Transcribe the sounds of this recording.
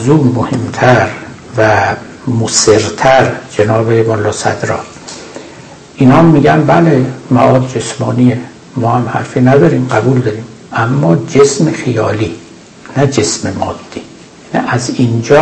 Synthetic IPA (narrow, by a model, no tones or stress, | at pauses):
zuːmohemt̪ʰæɾ | væ | moseɾt̪ʰæɾd͡ʒenɒːbebolːɒːsæ̰d̪ɾɒ̰ː | ʔiːnhɒːmːiːɡænbælemæ̰ʔɒːd̪̚d͡ʒe̞smɒːnie | mɒːhæmhæ̰ɾfiːnæd̪ɒːɾiːmɢæbuːld̪ɒːɾiːm | ʔæmːɒːd͡ʒesmexijɒːliː | næd͡ʒe̞smemɒːd̪̥ːiː | nḭʔæzind͡ʒɒː